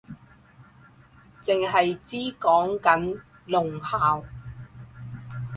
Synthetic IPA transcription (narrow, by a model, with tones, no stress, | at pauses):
t͡sɪ˨ŋɦɐ˨jt͡siː˥kɔː˨˥ŋkɐ˨˥n | lʊ˨ŋhaː˨w